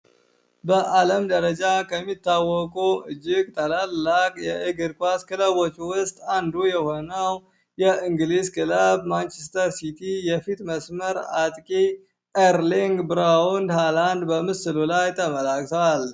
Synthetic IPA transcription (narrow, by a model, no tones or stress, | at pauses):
bəʔaləmd̪əɾəd͡ʒakʰəmːit̪ːawːɔkʼuɨd͡ʒːɪɡt̪ʰʼəlalːakʼjɛʔəɡɨɾkʷʼaskʰɨləβot͡ʃːwʊst̪ʼand̪ujɛho̞nəw | jɛʔɨŋɡɨliskʰɨləβmant͡ʃɛst̪ʰəɾsit̪ʰijɛfit̪ʼməsməɾat̪ʼkʼi | eɾliŋɡbɨɾawunt̪ʰaland̪bəmɨsɨlulajt̪ʰəməlakʼt̪ʰəwal